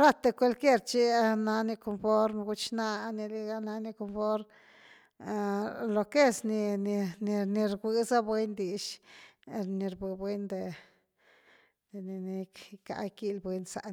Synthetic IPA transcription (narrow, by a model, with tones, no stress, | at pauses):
ɾa˦t̪e˧kʷe˧lke˦˧ɾt͡ʃi˦a˦na˧ni˧ko˧mfo˦ɾm˧ɡu˧t͡ʃna˦ni˧li˧ɡa˧na˧ni˧ko˧mfo˦ɾm˧ | lo˧ke˦sni˧ni˧ni˧ni˧ɾɡʷi˧˦za˦bwe˦nd̪i˨ʃ | ni˧ɾbɨ˧bwe˧nd̪e˧ | d̪̥e˨ni˧ni˧kka̰˧ki˦˧lbwe˧˦nsa̰˨